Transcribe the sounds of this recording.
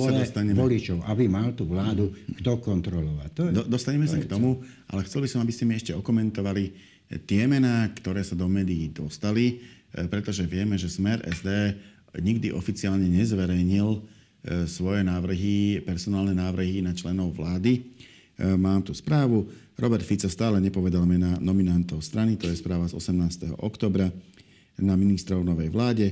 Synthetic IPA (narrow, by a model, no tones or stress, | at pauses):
sad̪ɔst̪aɲɛɔlit͡ʃɔʊʔabimalt̪uːʋlaːd̪ukt̪ɔkɔnt̪ɾɔlɔʋact̪ɔd̪ɔd̪ɔst̪aɲɛmɛsakt̪ɔmu | ʔa̰lɛxt͡sɛlbisɔmabiscɛmiɛʃcɛɔkɔmɛnt̪ɔʋali | t̪ɪɛmɛnaːkt̪ɔɾɛːsad̪ɔmɛːd̪iːd̪ɔst̪alipɾɛt̪ɔʒɛʋɪɛmɛʒɛsmɛɾʔɛ̰zd̪ɛː | ɲiɡd̪iʔɔfit͡siaːlɲɛɲɛzʋɛɾɛjɲil | sʋɔjɛnaːʋr̩ɦipɛɾsɔnaːlnɛnaːʋr̩ɦinat͡ʃlɛnɔʊʋlaːd̪i | maːmt̪uspɾaːʋu | ɾɔbɛɾt̪fit͡sast̪aːlɛɲɛpɔʋɛd̪almɛnanɔminant̪ɔʊst̪ɾanit̪ɔjɛspɾaːʋazɔ̰sɛmnaːst̪ɛɦɔ̰ʔɔkt̪ɔːbɾa | naminist̪ɾɔʊnɔʋɛjʋlaːɟɛ